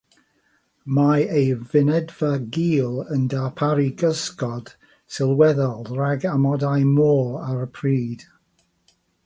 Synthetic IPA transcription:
maejvɪnɛdvaɡiːlˠəndapʰaɾiɡəskɔd̥ | sɪlˠwɛðɔlˠraɡamɔdajmoːaɾəpʰriːd̥

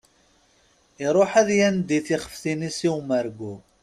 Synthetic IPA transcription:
ɪɾˤoħæðjænd̪iθiχə̥fθinisiwməɾɡu

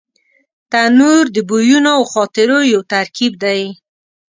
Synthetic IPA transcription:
t̪anuɾd̪əbujunoawxɑt̪ɪɾojowt̪aɾkib̚d̪aj

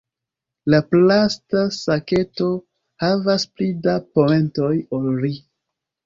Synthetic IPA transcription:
laplastasake̞to̞ | havasplidapo̞me̞nto̞jolɾi

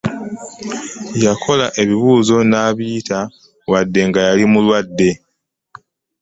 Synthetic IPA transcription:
jakʰo̞laʔe̞βiβuːzo̞naːβiːta | wadːe̞ŋɡajalimulwadːe̞

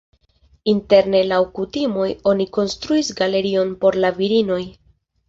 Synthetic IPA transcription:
inte̞ɾne̞lawkutimo̞jo̞niko̞nstɾuisɡale̞ɾio̞npo̞ɾlaviɾino̞j

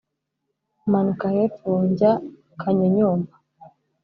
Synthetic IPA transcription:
manukahetuːɲɟa | kʰaɲeɲuːmba

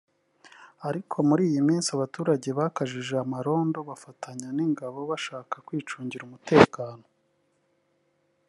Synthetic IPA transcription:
aɾikʰo̞muɾiːjimiːnsiaβatuːɾaɟe̞βakaʒiʒe̞amaɾo̞ːndo̞βafatʰaɲaniŋɡaβo̞βaʃaːkakwiːt͡ʃuːɲɟiɾumute̞ːkaːno̞

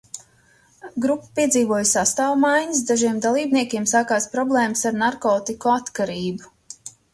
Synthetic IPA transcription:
ɡɾupːḁpiɛd̪ziːvuɔjsast̪aːwmajɲəs̬d̪aʒiɛmd̪alˠiːbniɛkʲiɛmsaːkaːspɾɔblˠɛːməsaɾnaɾkɔːt̪ikɔat̪kaɾiːbu

